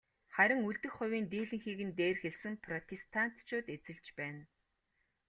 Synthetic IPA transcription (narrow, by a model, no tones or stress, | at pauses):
χæɾʲɪ̆ŋuɮt̪ɘ̆xχʊ̟wʲiːnt̪iːɮɘ̆ŋxiːɣɘ̆nt̪eːrxeɮsɘ̆ŋpʰrɔt̪ʰest̪ʰan̥t̪t͡ɕʰʊːt̪et͡sɘ̆ɮt͡ɕpæːn